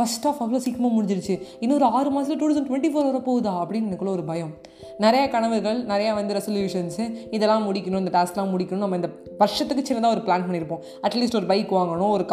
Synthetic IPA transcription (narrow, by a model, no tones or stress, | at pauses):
fɐsʈaːfɐʋɯlasiːkːɐmaːmʊɽɪɲd͡ʒɪɾɯt͡ʃːɯɪnːɔːɾɯaːɾɯmaːs̬ɪlɐʈ̬uːoːsɐɳɖʈʊʋɛɳʈifoːɾɐːɾɐpoːɣɯðaːɐpːɐɽɪnːɐnɐkːɯɭːɐɔɾɯbɐjɐ̃m | nɪɾɐjɐkɐɳɐʋɯɣɐɭnɪɾɐjaːʋɐnd̪ɯɾɛsɔljuːʂɐnsɪðɛlːãːmʊɽɪkʲːɐnʊ̃ɪnd̪ɐʈaːsklãːmʊɽɪkːɐnʊ̃nɐmːɐɪnd̪ɐ | ʋɐɾʂɐt̪ːɯkːɯt͡ʃːɪnːɐnd̪aːɔɾɯplaːnpɐɳːɪɾɯpːõː | ɐʈliːsʈɔɾɯbɐɪkːɯʋaːŋɡɐɳʊ̃ɔɾɯk